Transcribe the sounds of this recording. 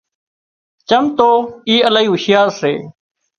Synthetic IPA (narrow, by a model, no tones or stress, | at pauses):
t͡ʃəmt̪oːiːəlaːiːɦʊʃɪjaːɾsḛː